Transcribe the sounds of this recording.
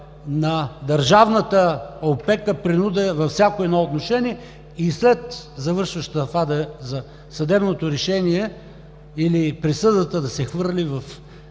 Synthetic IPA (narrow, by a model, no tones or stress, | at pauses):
nɐd̪ɐɾʒavnət̪əopɛkəpɾinud̪ɛvɐfsʲjakoɛd̪nɔot̪noʃɛniɛ | islɛt̪zɐvɤɾʃvɐʃt̪fad̪əzɐ | sɐd̪ɛbnot̪oɾɛʃɛniɛ | ilipɾisɤd̪ət̪əd̪ɐsɛxvɤɾlivɐf